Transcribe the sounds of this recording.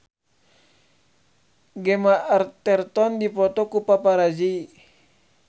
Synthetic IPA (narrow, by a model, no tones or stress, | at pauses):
ɡɛmaʔart̪ɛrt̪ɔndipɔt̪ɔkupapaɾad͡ʒi